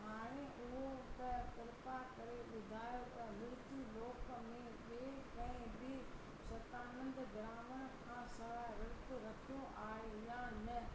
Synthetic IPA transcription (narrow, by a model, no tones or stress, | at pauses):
ɦaːɽ̃eʔʊɦot̪ɐt̪ɪɾpakɐɾeɓʊd̪ʱaːjot̪ɐmʊɾt̪iloːkmẽ | ʋe | kɐ̃ɦɪ̃bʱɪ | sɐt̪aːnə̃nd̪ɡɾaːməñkʰãːsɐʋaɾɪɾt̪ʊɾɐkʰioʔaːejãːnɐ